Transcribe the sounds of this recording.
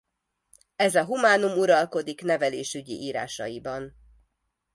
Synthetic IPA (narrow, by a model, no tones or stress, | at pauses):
ɛzɒɦumaːnumuɾɒlko̞d̪ikn̪ɛvɛleːʃyɟḭʔiːɾa̰ːʃɒ̰jibɒn